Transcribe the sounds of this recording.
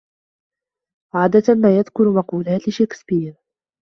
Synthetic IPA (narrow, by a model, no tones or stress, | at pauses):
ʕaːd̪at̪maːjaðkʊɾmɑquːlaːt̪ʃeːkspiːɾ